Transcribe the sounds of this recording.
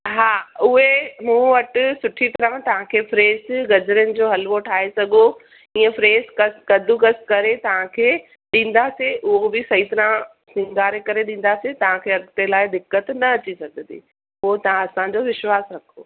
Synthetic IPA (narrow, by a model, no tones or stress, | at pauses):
ɦaːʊɦemũːʋɐʈʊ̆sʊʈʰit̪ɐɾãt̪ɐʋ̤ãkʰeːfɾeːzɡɐd͡ʑɾjənɪ̆d͡ʑoːɦɐlʋoʈʰaːɦesɐɡo | ĩːə̃fɾeːzkɐskɐd̪ʱukɐskɐɾet̪ɐʋ̤ãkʰeː | ɗĩːn̆d̪aseʔʊɦobɪsɐɦit̪ɐɾã | sɪ̃ŋɡaːɾekɐɾeɗĩːn̆d̪aset̪ɐʋ̤ãkʰeːɐɠt̪elaːɪd̪ɪkːət̪nɐɐt͡ɕisɐɡʱə̃nḭː | ʊɦot̪ɐɦãɐsãd͡ʑoʋɪʃwaːsɾɐkʰoː